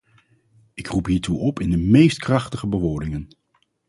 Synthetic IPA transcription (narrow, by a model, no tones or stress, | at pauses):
ɪkrupɦiːɹtuʔɔpɪndəmejstkrɑχtəχəbəʋoːɹdɪŋən